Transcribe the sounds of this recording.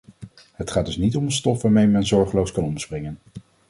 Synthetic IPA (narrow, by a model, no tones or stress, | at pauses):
ɦətχaːdɵsnitɔmənstɔfʋaːɹmejmɛnzɔɹχəlowskɑnɔməsprɪŋən